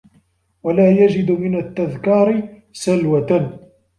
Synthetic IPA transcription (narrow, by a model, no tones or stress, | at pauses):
walaːjad͡ʒɪd̪mɪnat̪ːaðkɑːɾɪ | salwat̪